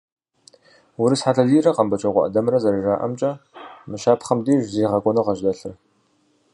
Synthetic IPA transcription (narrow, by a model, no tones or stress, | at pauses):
wʊɾɨsħaːtɐziːrɐqɐmbɐt͡ʃʼɐʁʷɔ̰ʔɐ̰dɐmɾɐzɐɾiraːʔɐ̰mt͡ʃʼɐmɨʃaːpʰχɐmdiːʒziːʁɐkʷʼɔnɐqɐʒdɐɬɨr